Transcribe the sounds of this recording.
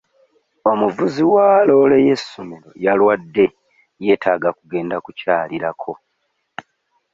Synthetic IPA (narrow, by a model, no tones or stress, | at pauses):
o̞muvuziwaːlo̞ːle̞je̞sːo̞me̞ɾo̞̰jalwadːe̞ | je̞ːtʰaːɡakuɡe̞ːndakucaːliɾakʰo̞